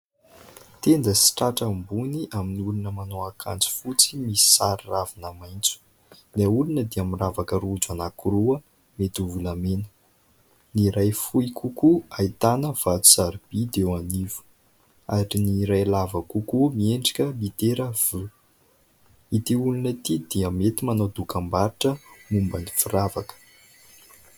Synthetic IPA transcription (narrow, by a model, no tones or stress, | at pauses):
t̪end̪əsi̥ʈ͡ʂaʈ͡ʂəmbuniʔaminiulunəmanowakʰa̰nt͡si̥fut͡simisi̥saɾiravinamajnt͡su̥ | naulunəd̪eamiravakəɾud͡ʒanakuɾuə | met̪uvulamenə̥ | niɾajfuikʰukuait̪anəv̥at̪u̥saɾib̥id̪ewaniv̥u̥ | aɾiniɾajlavəkukumieɳɖ͡ʐi̥kʲəlit̪eɾəv̥u | it̪iulunət̪id̪iəmet̪imanad̪ukambaɾiʈ͡ʂəmumbəni̥firavakə̥